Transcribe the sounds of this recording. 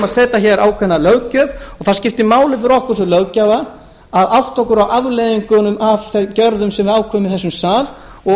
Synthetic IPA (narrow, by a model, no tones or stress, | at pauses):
aðsɛːt̪açɛɾʔa̰ːwkʰvɛnːalœwcœvɔɣθascɪft̪ɪmaːwlɪfɪɾɔhkʏɾ̥sɛlœɣcava | aðawht̪ɔkʏɾawʔavlɛðiŋkʏnʏmʔavθɛcœɾðʏmsɛmvɪðaːwkʰvœːmɪðθɛsʏmsaːl | ɔ